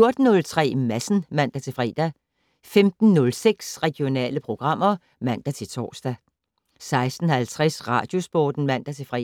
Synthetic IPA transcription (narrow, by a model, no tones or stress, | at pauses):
jo̝ɐd̥n̩ːɔ̽lt͡sʰʁɛ̰ːmæsn̩mæn̰d̥æt͡sʰe̝lfʁɛ̰ːd̥æ | femd̥n̩nɔ̽lseɡ̥sʁɛɡ̥jo̝nɛ̰ːləpʰʁo̝ɡ̥ʁɑ̈m̰ɐ | mæn̰d̥æt͡sʰe̝lt͡sʰɒ̰ːsd̥æ | sɑ̈ɪsd̥n̩hælt͡sʰʁɛsʁɑ̈ːd̥jo̝sb̥ɒ̰ːd̥n̩mæn̰d̥æt͡sʰe̝fʁɛ̰